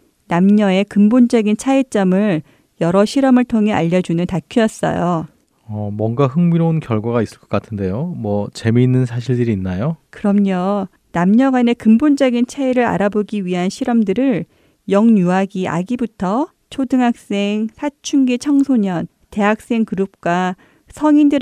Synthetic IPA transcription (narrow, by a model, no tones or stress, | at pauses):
namɲʌe̞kɯmbond͡ʑʌɡint͡ɕʰait͡ɕ͈ʌmɯɭ | jʌɾʌɕʰiɾʌmɯɭtʰoŋɦe̞aʎːʌd͡ʑunɯntakʰijʌs͈ʌ̰jo | ʌmwʌŋɡaɦɯŋmiɾounkjʌɭɡwaɡais͈ɯɭk͈ʌ̥k͈atʰɯnde̞jomwʌt͡ɕe̞miːnːɯnsʰaɕ̬ʰiɭdɯɾiːnːajokɯɾʌmɲjʌ | namɲʌɡane̞kɯmbond͡ʑʌɡint͡ɕʰaiɾɯɾa̰ɾaboɡiɥiɦanɕʰiɾʌmdɯɾɯɭ | jʌŋɲuaɡiʔa̰ɡibutʰʌ | t͡ɕʰodɯŋɦak̚s͈e̞ŋsʰat͡ɕʰuŋɡet͡ɕʰʌŋsʰoɲʌn | te̞ɦak̚s͈e̞ŋkɯɾup̚k͈wa | sʰʌŋindɯɾ